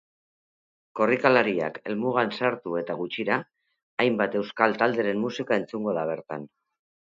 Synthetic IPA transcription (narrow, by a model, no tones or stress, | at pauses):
ko̞rikalaɾia̰ke̞̰lmuɣ̞ansaɾt̪ue̞t̪aɣ̞ut͡ʃiɾaː | jmbat̪e̞wskalt̪ald̪e̞ɾe̞mmusikae̞nt͡suŋɡo̞ð̞aβ̞e̞ɾt̪an